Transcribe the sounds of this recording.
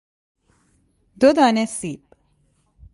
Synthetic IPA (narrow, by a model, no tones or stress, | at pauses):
d̪od̪aːnesiːp